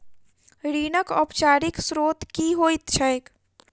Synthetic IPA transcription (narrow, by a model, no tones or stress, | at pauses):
ɾinəkɔpt͡ʃaɾiksɾot̪kiɦojt̪t͡ʃʰəjk